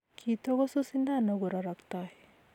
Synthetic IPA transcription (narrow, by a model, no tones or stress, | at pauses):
kit̪ɔɡɔsusind̪anɔɡɔɾaɾakt̪aj